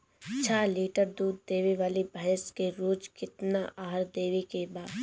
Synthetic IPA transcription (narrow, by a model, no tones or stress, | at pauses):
t͡ʃʰaːliːʈəɾd̪uːd̪ːeːʋiʋaːlibʱɐɦəskeɾoːd͡ʒkɪt̪naʔaːɦɾd̪eːʋikebaːd̪